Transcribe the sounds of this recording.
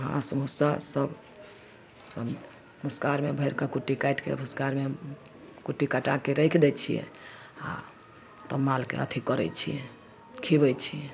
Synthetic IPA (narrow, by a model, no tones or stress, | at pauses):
ɦã̰səmusasəb | səm | muskaɾmebʱəjɾkəkuʈːikajʈkḛbʱuskaɾme | kuʈːikaʈakeɾəjkʰd̪ɛt͡ʃʰijɛ̰ | a̰ | t̪əmːalkḛə̰t̪ʰikəɾɛ̰t͡ʃʰijɛ | kʰibɛjt͡ʃʰiɛ